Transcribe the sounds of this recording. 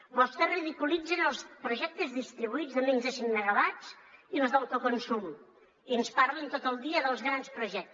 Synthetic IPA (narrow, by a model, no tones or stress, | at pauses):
bɔst̪ɛriðikulˠid͡zənəlˠspɾuʒɛk̚t̪əzðist̪ɾiβuid͡zðəmeɲzəsiŋnəɣəlat͡s | iləzðawt̪okonsum | iənspaɾlint̪ot̪əlˠd̪iəðəlˠzɣɾanspɾuʒɛk̚t̪